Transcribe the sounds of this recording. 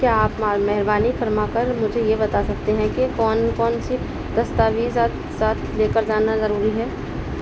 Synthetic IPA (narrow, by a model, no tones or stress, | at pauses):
kjaːpmamɛɦɪɾbaːnifɐɾmakɐɾmʊd͡ʒʱejebɐt̪asɐk̚t̪eɦɛ̃kikɔːnkɔːnsi | d̪̥ɐst̪aːʋisat̪ | saːt̪ʰleːkəɾd͡ʒaːnazɐɾuːɾiɦɛː